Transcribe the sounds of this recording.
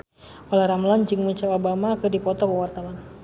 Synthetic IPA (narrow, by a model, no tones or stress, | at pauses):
ɔlahɾamland͡ʒɨŋmuɲt͡ʃaobamakɨdipɔt̪ɔpəwart̪awan